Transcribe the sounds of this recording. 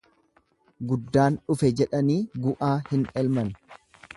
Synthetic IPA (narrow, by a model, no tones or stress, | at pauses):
ɡʊd̪ːaːnᶑʊfɛd͡ʒɛᶑɐniːɡʊʔaːhɪnɛlmɐn